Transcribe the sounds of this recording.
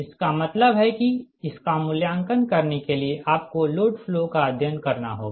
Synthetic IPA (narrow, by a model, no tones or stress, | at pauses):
ɪskamɐt̪ləbɦɛkiɪskamʊljãːŋkənkɐɾnekelieʔaːp̚koloːɖflokaəd̪ʱjənkɐɾna̰ɦo̰ːɡ